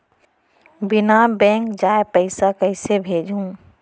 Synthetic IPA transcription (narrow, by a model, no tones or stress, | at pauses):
bɪnabɛ̃ːŋkd͡ʒaːepəɪsakəɪsebʱeːd͡ʒʱũː